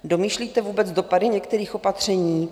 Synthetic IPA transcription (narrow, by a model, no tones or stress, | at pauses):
do̞miːʃliːt̪ɛvuːbɛt͡sdopadɪɲɛkt̪ɛɾiːxo̞pat̪r̝̥ɛɲiː